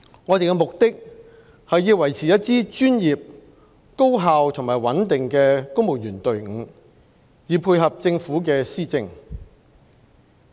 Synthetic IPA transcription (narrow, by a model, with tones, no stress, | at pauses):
ŋɔː˨˧t̪e˨jkɛ˧mʊ˨k̚t̪ɪ˥k̚ | hɐ˨jjiː˧wɐ˨˩jt͡sʰiː˨˩jɐ˥t̚t͡siː˥t͡ʃyː˥njiː˨p̚ | ko˥wɦaː˨˧wt̪ʰʊ˨˩ŋmaː˨˩jwɐ˨˥nt̪ɪ˨ŋkɛː˧kʊ˥ŋmo˨˩wjyː˨˩nt̪ɵ˨ɥŋ̩˨˧ | jiː˨˧pʰuː˧jɦɐ˨p̚t͡sɪ˧ŋfuː˨˥k̬ɛː˧siː˥t͡sɪ˧ŋ